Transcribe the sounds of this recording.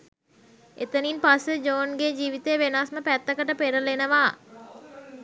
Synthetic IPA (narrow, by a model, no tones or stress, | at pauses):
et̪əninpasəd͡ʒoːnɡed͡ʒiːʋit̪ejəʋenasməpæt̪ːəkəʈəpeɾəlenəʋaː